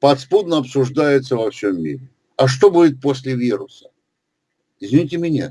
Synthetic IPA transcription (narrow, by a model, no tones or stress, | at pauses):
pɐt̪spud̪nəɐpsʊʐd̪ajɪt̪səvɐfsʲomːḭɾʲɪ | ɐʂ̬t̪o̞budʲɪt̪̚posʲlʲɪvʲiɾʊsə̥ | ɪzvʲɪnʲitʲɪmʲɪnʲa̰